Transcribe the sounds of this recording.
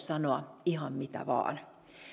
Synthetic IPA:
sɑnoɑihɑmmit̪æ̰ʋɑ̰ːn

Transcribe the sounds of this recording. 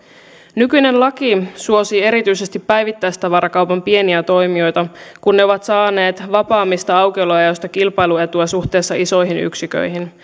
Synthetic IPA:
nykyjne̞nlɑkisuo̞siːe̞ɾit̪yjse̞st̪ipːæjʋit̪ːæjst̪ɑʋɑɾɑkɑwpɑmpie̞niæt̪o̞jmio̞jt̪ɑkunːeo̞ʋɑt̪sɑːne̞ːt̪ʋɑpɑːmːist̪ɑɑwkeloɑjost̪ɑkilpɑjlue̞t̪uæsuxt̪e̞ːsːɑiso̞jɦiny̰ksikø̰jɦin

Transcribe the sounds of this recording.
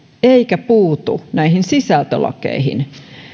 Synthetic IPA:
eikæpuːt̪ṵnæihinsisælt̪ølɑ̰kḛihḭn

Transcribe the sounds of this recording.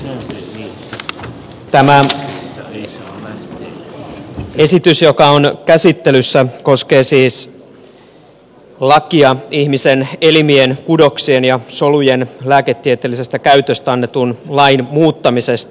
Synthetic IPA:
t̪æmæ | e̞sit̪ysjokɑonkæsit̪ːelysːæko̞ske̞ːsiːs | lɑkiɑihmisenelimienkudo̞ksienjɑso̞lujenlæːket̪ːiet̪elːise̞st̪ækæyt̪øst̪æɑnːet̪unlɑinmuːt̪ːɑmisest̪ɑ

